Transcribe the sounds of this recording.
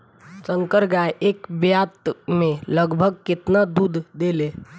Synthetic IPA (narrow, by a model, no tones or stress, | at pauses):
səŋkəɾɡaʔekbjat̪meləɡbʱəɡ̚ket̪nad̪ud̪ʱd̪ele